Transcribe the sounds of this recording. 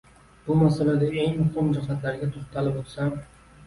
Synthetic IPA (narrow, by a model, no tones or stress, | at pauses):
b̥ʊmasalad̪ae̞ŋmʊχɪmd͡ʒahat̪laɾɡʲat̪ʰoχt̪ʰalɪbot̪sam